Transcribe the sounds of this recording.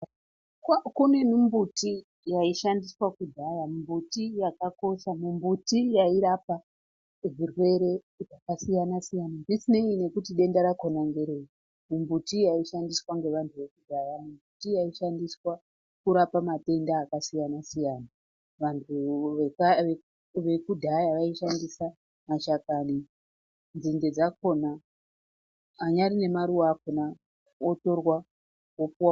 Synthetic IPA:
kkune̞numbuti | jaiʃandiswakudʱaramumbutijakako̞ʃamumbutijaiɾapa | virwe̞ɾe̞ | ʐakasijanasijanabisineine̞kutiɗe̞ndaɾakonaŋɡeɾei | mumbutijaiʃandiswaŋɡe̞ʋantʰuʋe̞kudʱaramumbutijaiʃandiswa | kuɾapamate̞ndaːkasijanasijaːna | ʋantʰu | ʋe̞kudʱajaʋaiʃandisa | maʃakani | nziŋde̞d͡zako̞na | ɲaɾine̞maɾuwakona | oto̞rwa | opuwa

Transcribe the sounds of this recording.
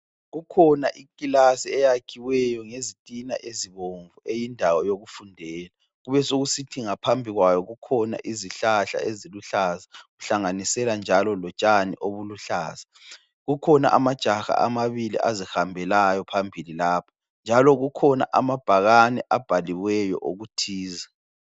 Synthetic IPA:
ɣukʰɔnaʔikʼilasiɛjakʰiwɛjɔŋezitʼina̰ʔeziβoɱvuejindʱawɔjoɣufundʱɛːla | ɣuβɛsoɣusitʰiŋapʰambʱiɣwajɔɣukʰɔna̰ʔiziɬaɬa̰eziluɬazaɣuɬaŋanisɛland͡ʒʱalɔlɔt͡ʃʼanḭʔoβuluɬa̰ːza | ɣukʰɔna̰ʔamad̥ʒ̥ʱaxa̰ʔamaβilḭʔazihambʱɛlajɔpʰambʱililaːpʰḁ | nd͡ʒʱalɔɣukʰɔna̰ʔamab̥ʱaɣanɛʔab̥ʱaliwɛjɔ̰ʔoɣutʰiːza

